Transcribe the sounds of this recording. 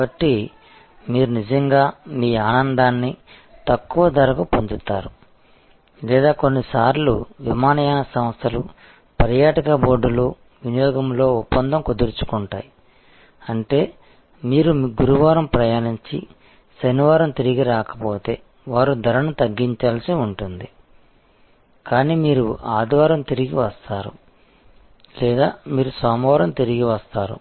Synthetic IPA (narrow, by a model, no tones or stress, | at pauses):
bɐʈːi | miːɾunid͡ʒɐŋɡaːmiːaːnɐnd̪aːnːi | t̪ɐkːuʋɐd̪ʱɐɾɐkupond̪ut̪ːaːɾu | lɛːd̪aːkonːisaːɾluʋimaːnɐjaːnɐsɐmst̪ʰɐlṵ | pɐɾjaːʈɐkɐboːɖulu | ʋinijɔːɡɐmlo̞ːupːɐnd̪ɐmkod̪uɾt͡ʃu̥kuɳʈa̰ːji | ɐɳʈe̞ː | miːɾumɡuɾuʋaːɾɐmpɾɐjaːniɲt͡ʃḭ | sɐniʋaːɾɐmt̪iɾiɡiɾaːkɐ̥po̞ːt̪e̞ː | ʋaːɾud̪ʱɐɾɐnut̪ɐɡːiɲt͡ʃaːlsiuɳʈund̪i | kaːniːmiːɾuaːd̪ʋaːɾɐmt̪iɾiɡiʋɐst̪aːɾṵ | lɛːd̪aːmiːɾusʋaːmʋaːɾɐmt̪iɾiɡiʋɐst̪aːɾṵ